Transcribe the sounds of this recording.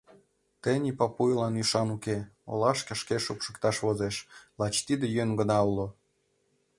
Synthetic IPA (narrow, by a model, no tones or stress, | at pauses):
t̪enʲipɑpujlɑnyʃɑnukeo̰lɑʃkə̆ʃkeʃupʃə̥̆kt̪ɑʃβozeʃlɑt͡ɕt̪id̪ejøŋɡənɑulo